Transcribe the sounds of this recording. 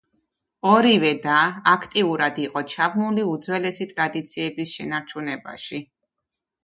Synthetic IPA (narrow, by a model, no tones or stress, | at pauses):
ɔɾivɛd̪aːkʰt̪ʼiuɾad̪iqʼɔt͡ʃʰabnuliud̪zwɛlɛsit̪ʼɾad̪it̪sʰiɛbisʃɛnaɾt͡ʃʰunɛba̰ʃi